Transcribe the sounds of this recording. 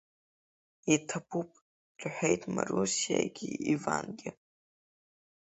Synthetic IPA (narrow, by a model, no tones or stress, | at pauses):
itʰapʰupʼ | dʼħʷejtʼmarusijaɡʲiivanɡʲɪ